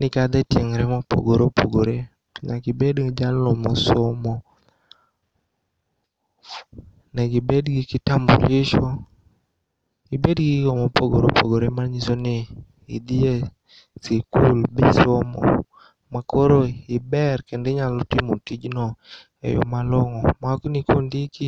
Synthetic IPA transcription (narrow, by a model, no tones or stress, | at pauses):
nɪkad̪ɛtjeŋɾɛmapo̰ɡoɾopʰoɡoɾe | ɲaɡɪbedd͡ʒalɔmɔsomɔ | nɛɡɪbedɡɪkɪtambo̰ɾɪʃo | ibedɡikomopoɡoɾopo̰ɡoɾemarɲisonɪ̰ː | d̪ie | sikulbisomɔ̰ | makoɾoɪbɛrkendɛɲalɔtimotid͡ʒnɔ | ḛjɔ̰malɔŋɔmaknikondiki